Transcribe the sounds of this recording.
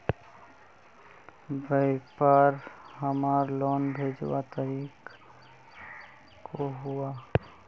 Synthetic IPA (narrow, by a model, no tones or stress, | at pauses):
bəɪkpaɾɦəmaːɾlɔːnbʱeːd͡ʒwat̪əɾiːk | koɦuaː